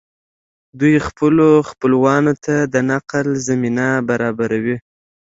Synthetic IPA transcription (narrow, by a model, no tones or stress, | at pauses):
d̪ujxpəloxpəlwɑnot̪ʰad̪ənaqlzaminabaɾɑbaɾawi